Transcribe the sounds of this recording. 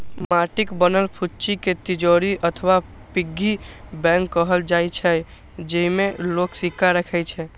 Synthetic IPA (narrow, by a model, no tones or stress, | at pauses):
maʈikbənəlpʰut͡ʃiket̪id͡ʒoɾiʔət̪ʰwa | piɡːibɛ̃ŋkːəɦəld͡ʒajt͡ʃʰɛ | d͡ʒəɦimeloksikːaɾəkʰɛjt͡ʃʰɛ